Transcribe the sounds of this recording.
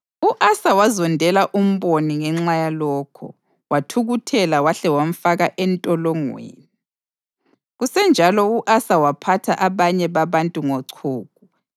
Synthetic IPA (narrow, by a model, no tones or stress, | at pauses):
uʔasawazɔndʱɛlaʔum̩βoniŋɛŋ͡ǁajalɔːkʰɔ̰ | watʰuɣutʰɛlawaɬɛwam̩faɣaʔɛntʼɔlɔŋwḛːni | ɣusɛnd͡ʒʱalɔuʔasawapʰatʰaʔaβaɲɛβaβantʼuŋoǀʰuːɣ̚u